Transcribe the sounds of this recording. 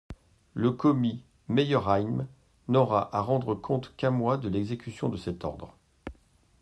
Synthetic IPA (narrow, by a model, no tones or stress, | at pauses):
ləkɔmi | mejœʁajm | nɔʁaʔaʁɑ̃d̪ʁəkʰɔ̃t̪kɛ̃mwad̪əlɛɡzekʲysjɔ̃d̪əsɛt̪ɔ̰ʁd̪ʁ